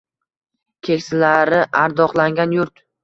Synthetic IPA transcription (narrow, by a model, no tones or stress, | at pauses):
kʲʰekʲsɪlaɾɪʔaɾd̪ɒqlˠaŋɡʲanjʊɾt̪